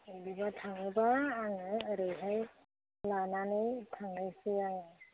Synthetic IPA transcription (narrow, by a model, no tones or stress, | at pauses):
dibatʰaŋɯbaːŋɯːɾɯɦaj | lananɯjtʰaŋajsɯaŋɯ